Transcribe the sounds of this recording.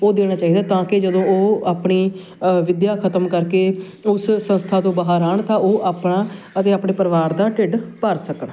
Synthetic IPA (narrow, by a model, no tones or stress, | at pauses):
oːd̪eːɽ̃aːt͡ʃaːiːd̪aːt̪ãːkɪd͡ʒəd̪õːoːaːpɳiː | ʋɪd̪jaːkʰət̪əmkəɾkeː | ʊssə̃nst̪ʰaːt̪õːbaːɦəɾaːɳt̪ãːoːʔaːpɳaː | ət̪eːaːpɳeːpəɾɪʋaːɾd̪aːʈɪɖpəɾsəkəɳ